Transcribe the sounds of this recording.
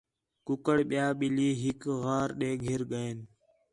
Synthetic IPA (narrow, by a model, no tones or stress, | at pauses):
kʊkəɽɓɪjaːɓɪliːɦɪkɣaːɾɗeːɡʱɪɾɡəeːn